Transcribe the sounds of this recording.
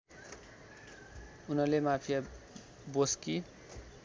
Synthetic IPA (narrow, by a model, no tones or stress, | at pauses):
unʌrlemapʰija | boski